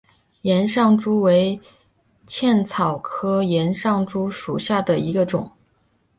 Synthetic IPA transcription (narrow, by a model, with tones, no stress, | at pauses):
jɛ˧˥nʂɑ˥˩ŋʈ͡ʂu˥we˧˥ɪ | t͡ɕʰjɛ˥˩nt͡sʰɑ˨˩ʊkʰɤ˥jɛ˧˥nʂɑ˥˩ŋʈ͡ʂu˥ʂu˨˩ɕja˥˩d̪ə˩i˧˥ɡə˧ʈ͡ʂʊ˨˩˦ŋ